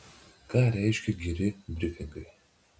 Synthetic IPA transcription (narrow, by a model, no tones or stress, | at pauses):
kɑːɾʲæɪʃʲkʲɛɡʲɪɾʲɪbʲɾʲɪfʲɪŋɡɐɪ